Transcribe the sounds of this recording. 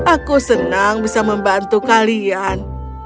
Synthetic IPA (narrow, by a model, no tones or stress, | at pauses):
ʔakusənaŋbisaməmbant̪ukalian